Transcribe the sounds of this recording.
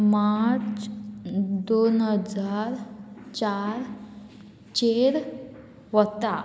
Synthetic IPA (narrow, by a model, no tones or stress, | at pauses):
maɾt͡s | d̪onɦəd͡zaɾt͡ɕaɾ | t͡ɕeɾ | ʋət̪a